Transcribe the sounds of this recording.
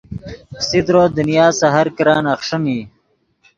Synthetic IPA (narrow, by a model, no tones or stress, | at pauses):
sid̪ɾoːd̪unjaːsɐɦɐɾkɾɑːnɐxʂɐniː